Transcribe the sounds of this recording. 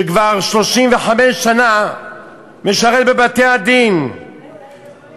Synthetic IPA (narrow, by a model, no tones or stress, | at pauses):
ʃekvaʁʃlo̞ʃimveħameʃːana | meʃaʁet̚bebat̪ehad̪in